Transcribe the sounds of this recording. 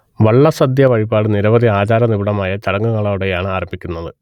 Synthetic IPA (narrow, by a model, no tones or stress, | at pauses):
ʋɐɭːɐsɐd̪jɐʋɐɻibaːɽɨniɾɐʋɐd̪iaːd͡ʑaːɾɐnibuɽɐmaːjɐt͡ɕɐɽɐŋːuŋːɐɭauɽejaːɳɨaːrɐmbʱikʲːunːɐðɨ